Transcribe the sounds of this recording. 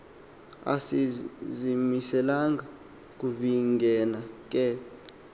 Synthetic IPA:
a̰sizimisɛlaŋɡa | k̬ʼuviŋɡʱɛnak̬ʼɛ

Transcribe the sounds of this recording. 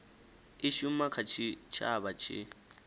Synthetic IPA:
ɪʃum̩makʰat͡ʃʰit͡ʃʰa̰bat͡ʃʰɪ̰

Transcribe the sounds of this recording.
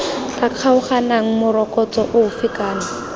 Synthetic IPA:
kaq͡χʰaʊχanaŋ̩mʊɾɔkʼɔt͡sɔʔʊʊfɪkaːna

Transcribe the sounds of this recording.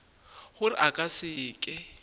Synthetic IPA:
hʊrɪ̰ʔakʼasɪːkʼɪ

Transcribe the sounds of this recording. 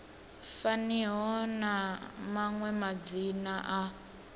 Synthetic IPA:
faniɦɔnamaŋwɛmad͡zinaʔa

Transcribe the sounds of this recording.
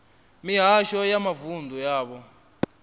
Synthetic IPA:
miɦaʃɔjamavundʱujaːɓɔ

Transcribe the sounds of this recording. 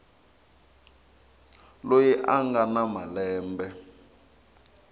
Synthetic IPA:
lojiʔaŋɡanamalɛːmbɛ

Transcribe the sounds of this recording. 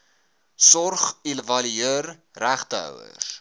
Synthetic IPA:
sɔrχilvɐliəːr | ræχtəœ̰wə̰r

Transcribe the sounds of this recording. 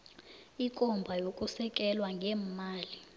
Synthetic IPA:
ikʼɔmbʱajokʼusɛk̬ʼɛlwaŋɡʱɛːmmaːli

